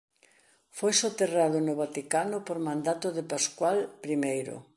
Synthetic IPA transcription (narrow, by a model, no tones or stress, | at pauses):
fojsot̪erað̞ʊnʊβat̪ikanʊpoɾmãnd̪at̪ʊðepaskwalpɾimejɾʊ̰